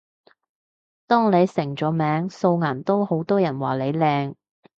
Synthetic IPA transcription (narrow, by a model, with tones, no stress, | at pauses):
t̪ɔː˥ŋle˨˧jsɪ˨˩ŋt͡ʃɔː˨˥mɛː˨˥ŋso˧wŋaː˨˩nt̪o˥who˨˥wt̪ɔː˥jɐ˨˩nwaː˨˩le˨˧jlɛː˧ŋ